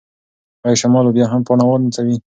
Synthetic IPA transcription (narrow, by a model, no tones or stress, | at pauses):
ajʃamɑlobjɑɦampɑnawɑlnt͡sawi